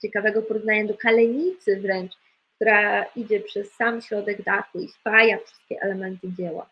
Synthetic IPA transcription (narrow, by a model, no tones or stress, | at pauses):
t͡ɕɛkavɛɡɔpɔɾuvnajɛd̪ɔkalɛɲit̪sɘvɾɛnt͡ʂ | k̚t̪uɾaid͡ʑɛpʂɛsːamɕɾɔd̪ɛɡd̪axuispajafʂɘ̥st̪̚kʲɛʔɛlɛmɛnt̪ɘd͡ʑɛwa̰